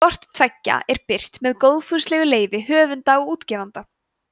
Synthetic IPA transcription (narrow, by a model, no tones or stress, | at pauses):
ɔr̥t̪t̪ʰvɛcːa̰ʔɛɾpɪr̥t̪mɛðkowðfʏɾst̪lɛːɣʏleːjvɪɦœːvʏnt̪aɔuːt̪cɛːvant̪a